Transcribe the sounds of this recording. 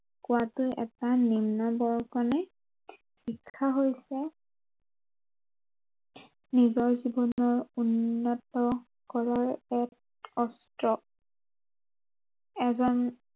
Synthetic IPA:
kʊwatʊjʔɛ̰tanimnabɔɹkɔnɛ | xikʰːaɦojsɛ | nizɔɹzibɔnɔɹunːɔtɔ | kɔɹaɹɛt | ɔstɹɔ | ɛzɔn

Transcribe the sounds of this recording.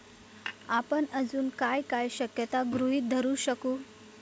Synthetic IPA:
apəɳəd͡zuːnkajkajɕəkjət̪aɡɾuɦiːt̪̚d̪ʱəɾuːɕəkuː

